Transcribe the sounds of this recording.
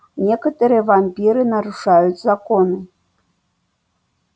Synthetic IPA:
nʲɛkɐt̪ɐɾɨjɛvamʲpʲiɾɨnɐɾuʂajut͡sʲzakɔnɨ

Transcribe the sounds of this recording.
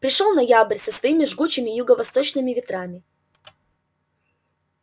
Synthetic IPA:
pɾʲɪʂolˠnɐjabəɾʲsəsvɐimʲɪʐɡut͡ɕɪmʲɪjʊɡəvɐst̪o̞t͡ɕnɨmʲɪvʲɪt̪ɾamʲɪ

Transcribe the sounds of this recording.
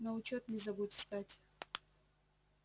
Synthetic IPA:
nɐʊt͡ʃot̪̚nʲɪzɐbudʲst̪atʲ

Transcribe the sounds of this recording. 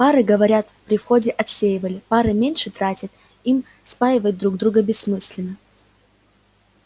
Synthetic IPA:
paɾɨɡəvɐɾʲat̪pɾʲɪfxo̞dʲɪʔɐt̪sʲejɪvəlʲɪpaɾɨmʲenʲʂɨt̪ɾatʲɪt̪ | im | spajʲɪvəjʊt̪̚d̪ɾuɡ̚d̪ɾuɡəbʲɪsːmɨsʲlʲɪnːə

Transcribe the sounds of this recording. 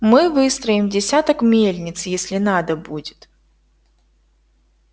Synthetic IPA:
mɨvɨst̪ɾəjɪmdʲɪsʲat̪əkmʲelʲnʲɪt̪sjesʲlʲɪnad̪əbudʲɪt̪

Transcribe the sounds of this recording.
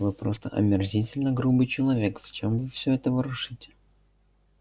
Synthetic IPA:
vɨpɾo̞st̪ə̰ʔɐ̰mʲɪrzʲitʲɪlʲnəɡɾubɨjt͡ɕɪlˠɐvʲe̞kzt͡ɕemvɨfsʲɵɛt̪əvəɾʊʂɨtʲɪ̥

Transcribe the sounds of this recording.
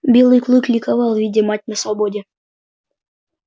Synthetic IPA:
bʲilˠɨjklˠuklʲikɑvɑlˠvʲidʲemɑtʲnʲəsobodʲe

